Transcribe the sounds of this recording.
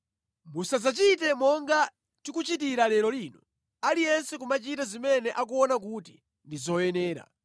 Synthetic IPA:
musazat͡ʃitɛmɔŋɡa | tikut͡ʃit̬iɾalɛɾɔliːnɔ | alijɛnsɛk̬umat͡ʃitazimɛnɛʔak̬uɔnak̬uːti̥ | ndizɔjɛnɛːɾa̰

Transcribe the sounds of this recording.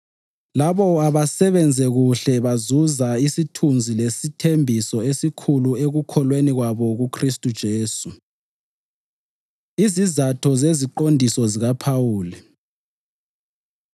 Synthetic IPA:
laβɔaβasɛβɛnd͡zʱɛɣuɬɛβazuzaisitʰund͡zʱilesitʰembʱisɔesikʰulueɣukʰɔlweniɣwaβɔɣukʰristʼud̥ʒ̥ʱeːsu | izizatʰɔzeziǃondʱisɔziɣapʰawuːli

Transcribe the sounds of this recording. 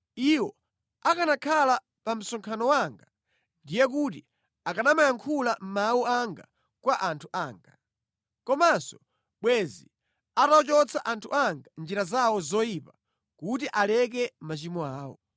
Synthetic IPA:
iwɔ | akanakʰala | pam̩sɔŋkʰanɔwaŋɡa | ndijɛk̬uti | akanamajaŋkʰulam̩mawuaŋɡa | kwaʔantʰuʔaːŋɡa | kɔmasɔ | ɓwɛzi | ataɔt͡ʃɔt͡sʰaʔantʰuʔaŋɡand͡ʒiɾazawɔzɔjipa | kut̬iʔalɛk̬ɛmat͡ʃimɔaːwɔ̰

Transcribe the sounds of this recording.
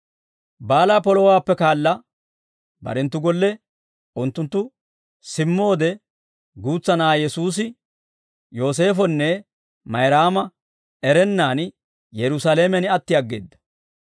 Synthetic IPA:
baːlaːpɔlɔwaːpːɛkaːlːɐ | bɐ̰ɾɛnt̪ːʊɡɔlːɛ | ʔʊnt̪ːʊnt̪ːʊ | sɪmːo̞ːd̪ɛ | ɡuːt͡sːɐnaːjɛsuːs̬ɪ | jo̞ːs̬e̞ːfɔnːɛ | mɐjɾaːmɐ | ɛɾɛnːaːn | jɛɾʊsaleːmɛnɪɐt̪ːɪjɐɡːe̞̰ːd̪ːɐ̥

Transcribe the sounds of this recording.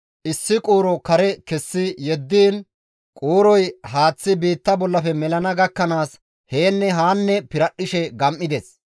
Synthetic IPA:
ʔɪsːɪkʼuːɾɔkɐɾɛkɛsːɪjɛd̪ːiːn | kʼoːɾɔjhaːt͡sːɪbiːt̪ːɐbɔlːɐfɛmɛlɐnɐɡɐkːɐnaːs | heːnːɛɦaːnːɛpɪɾɐɗːɪʃɛɡɐmʔɪd̪ɛs

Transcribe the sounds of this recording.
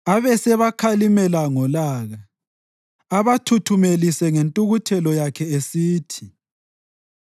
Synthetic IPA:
aβɛsɛβakʰalimɛlaŋɔlaːɣa | aβatʰutʰumelisɛŋentʼuɣutʰɛlɔjakʰɛesiːtʰi

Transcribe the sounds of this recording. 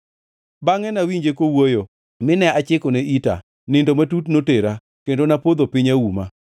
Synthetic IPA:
baŋɛnawiɲd͡ʒekowojo | mɪnɛat͡ʃɪkoneʔita̰ | nɪndomatutnoteɾa | kendonapod̪opɪɲawuma

